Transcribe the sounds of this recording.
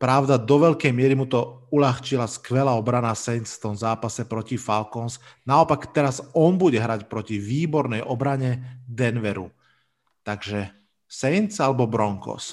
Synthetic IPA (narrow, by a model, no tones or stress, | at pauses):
pɾaʊd̪ad̪ɔʋɛʎkɛjmɪɛɾimut̪ɔuʎaxt͡ʃilaskʋɛlaːɔbɾanasɛnt͡sft̪ɔmzaːpasɛpɾɔcifalkɔns | naɔpakt̪ɛɾazɔnbuɟɛɦɾacpɾɔciʋiːbɔɾnɛjʔɔbɾaɲɛd̪ɛnʋɛɾṵ | t̪aɡʒɛ | sɛnt͡salɛbɔbɾɔŋkɔ̰s